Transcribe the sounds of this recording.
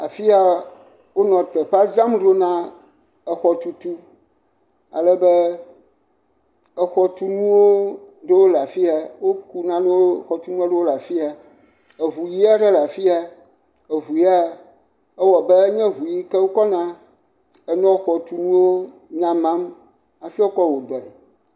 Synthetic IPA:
a˨fi˦a˦ | wo˦nɔ̃˨t̪ɛ˨ɸa˦za˦mɖo˦nã˦ | ɛ˨xɔ˨t̪u˨t̪u˦ | a̰˨lɛ˦bɛ˦ | ɛ˨xɔ˨t̪u˦nũ˦wo˦ | ɖe˦wo˦la˨fi˦a˨wo˦ku˦nã˦ne˦wo˦xɔ˨t̪u˦nũ˦a˦ɖe˦wo˦la˨fi˦a˨ | e˨ɦu˨ji˦a˦ɖɛ˦la˨fi˦a˨ | e˨ɦu˨ji˦a˦ | ɛ˦wɔ˨bɛ˦ɲɛ̃˦ɦu˨ji˦kɛ˦wo˦kɔ˦nã˦ | ɛ˨nɔ̃˦xɔ˨t̪u˨nũ˦wo˦ | nã˦mã˦m | a˨fi˦a˦o˦kɔ˦wo˨d̪ɔ˨ɛ˨

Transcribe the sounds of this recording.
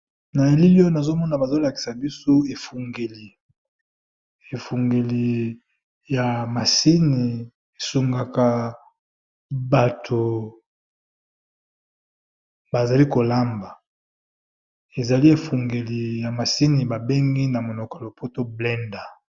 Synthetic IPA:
na˨e˨li˦ljo˦na˨zo˦mɔ˦na˨ba˨zo˦la˨ki̥˨sa˨bi˦so˦e˨fu˨ŋɡe˨li˨ | e˨fu˨ŋɡe˨li˨ | ja˨ma˨si˦ni˨ | e˨su˨ŋɡa˨ka˨ | ba˨tʰo˨ | ba˨za˨li˦ko˨la˦mba˨ | e˨za˨li˦e˨fu˨ŋɡe˨li˨ja˨ma˨si˦ni˨ba˨be˦ŋɡi˦na˨mo˨no˨ko˨lo˨pʰo˦to˦blɛ˦nda˨

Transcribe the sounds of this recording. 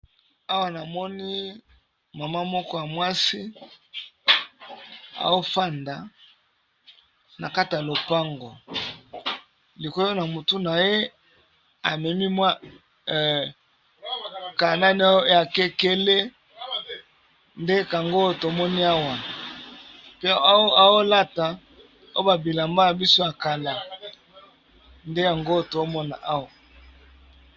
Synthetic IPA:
a˦wa˨na˨mɔ˦ni˦ | ma˨ma˦mɔ˦kɔ˦ja˨mwa˦si˦ | a̰˨o˦fa˦nda˨ | na̰˨ka˦ti˨ja˨lo˨pa˦ŋɡo˨ | li˨ko˦jo˦na˨mu˨tu˦na˨je˦ | a˨mɛ˨mi˦mwa˦˨ | ka˨na˦ni˨˦a˦a˨kɛ˦ke˦le˦ | nde˦ka˨ŋɡo˦to˨mɔ˦ni˦a˦wa˨ | pe˦a˦wo˦la˦ta˨ | o̰˦ba˨bi˨la˨mba˦ja˨bi˦so˦a˨ka˨la˨ | nde˦ja˨ŋɡo˦to˨˦mɔ˦na̰˨ʔa˦wa˨

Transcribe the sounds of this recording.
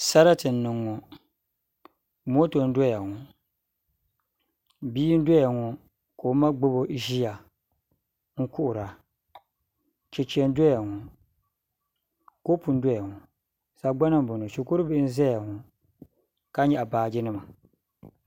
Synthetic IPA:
sa˦ɾa˦tɨ˨nː˦ɨ˨ŋːɔ˨ | m˦o˦to˨n̩˦dɔ˦ja˨ŋɔ˨ | biː˦n̩˦dʷɔ˦ja˨ŋɔ˨ | ko˨˦ma˦ɡ͡bo˦bo˦ʒi˦ja˨ | ŋ̩˦kʊ˦ʔʊ˨ɾa˨ | t͡ʃɛ˨t͡ʃi˨˦ɛ˦n˦dɔ˦ja˨ŋɔ˨ | ko˦pu˨n̩˦dɔ˦ja˨ŋɔ˨ | sa˨ɡ͡ba˦na˦m˦bo˨no˨ʃi˨kʊ˦ɾɨ˦bɪ˦n̩˦zɛ˦ja˨ŋɔ˨ | ka˦ɲɛ˦˨ʔa˨baː˨d͡ʒɪ˦nɨ˦ma˨

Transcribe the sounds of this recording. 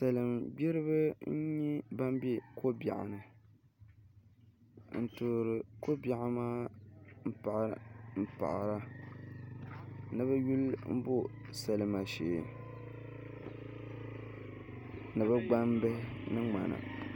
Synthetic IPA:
sa˨lɨ˨mbɛ˦ɾɨ˦βɨ˦n̩˦ɲɛ˦ba˦m˦bɛ˦kʰo˦ba̰˨ʔa̰˨nɨ˨ | n̩˨tu˨ɾɨ˨ko˦ba˨ʔa˨maː˦m̩˦pa˨ʔm̩˦pa̰˨ʔɾa˦ | nɨ˦bɛ˦ju˦lm̩˦bo˦sa˨lɨ˨ma˨ʃḛ˨ | nɨ˨bɛ˦ɡ͡ba˦m˦bɛ˦nɨ˦ŋ͡ma˨na̰˨

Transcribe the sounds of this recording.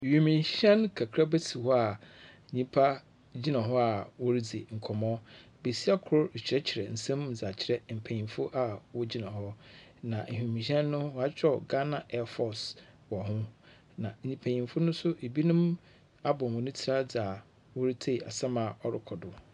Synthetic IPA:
hᶣu˨mĩ˨ɕɛ̃˦nkʰa˨kʰɾa˦be˦tʰi˨hɔ˦a˨ | ɲĩ˦pʰa˦ | d͡ʑi˦nã˨ɦɔ˦a˨wɔ˦ɾi˦d͡zi˨ŋ̩˨kʰɔ˨mɔ̃˦ | be˨si˦a˦kʰʊ˨ɾʊ˦˨t͡ɕʰɪ˨ɾɛ˦t͡ɕʰɪ˨ɾɛ˨n̩˨sɛ̃˦m̩˦˨d͡za˨t͡ɕʰɪ˨ɾɛ˦m̩˨pʰæ̃˨ɲĩ˨mfʊ˦ʔa˨wɔ˦d͡ʑi˦nã˨ɦɔ˦nã˨hᶣũ˨mĩ˨ɕɛ̃˦nːʊ̃˦wa˦t͡ɕᶣɔ˦˨ɡa˦nã˨ʔɛ˦fɔ˨s | wɔ˨ɦʊ̃˦ | nã˨ɲĩ˨pʰæ̃˨ɲĩ˨mfʊ˦nʊ̃˦sʊ˦ʔe˨bi˦nʊ̃˦m | a˦bɔ̃˨mʊ̃˨nʊ̃˦tʰi˨ɾa˦d͡za˨ | wɔ˦ɾi˦tʰe˦˨a˨sã˦ma˨ɔ˨ɾɪ˦kʰɔ˨dʊ˨

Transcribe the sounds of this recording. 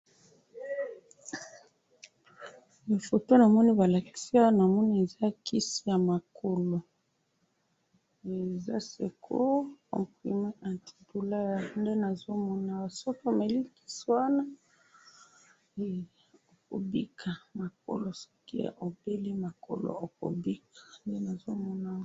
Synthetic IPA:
ja˨fo˨to˦na˨mɔ˦ni˦ba˨la˨ki̥˨si˦a˦a˦na˨mɔ˦ni˦e˨za˦ki˦si˦ja˨ma˨kʰo˨lo˨ | e˨za̰˦sḛ˨kʰo̰˦kɔ̰̃˨pχḭ˨me˦ʔã˨ti̥˨du˨la˦ja˨nde˦na˨zo˦mɔ˦na˨a˨so˦ko˦˨me˨li˦ki̥˦swa˦na˦ | e˨ | o˨ko̰˨bi˦kʰa˨ma˨k̚o̰˨lo˨sḁ˦kḭ˦˨o˨be˦li˦ma˨ko̰˨lo̰˨o˨ko̰˨bi˦kḁ˨nde˦na˨zo˦mɔ˦na˨

